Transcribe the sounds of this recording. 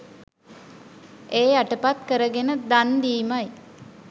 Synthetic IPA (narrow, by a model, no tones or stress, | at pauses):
eːaʈəpat̪kəɾəɡenəd̪and̪iːmaj